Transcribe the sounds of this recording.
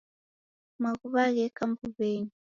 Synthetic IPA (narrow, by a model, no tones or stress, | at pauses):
maɣuβaɣɛkambuβeɲi